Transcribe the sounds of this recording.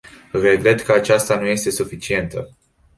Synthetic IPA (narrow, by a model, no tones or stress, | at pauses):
re̞ɡɾe̞t̪kəat͡ʃast̪anuje̞st̪e̞sufit͡ʃie̞nt̪ə̰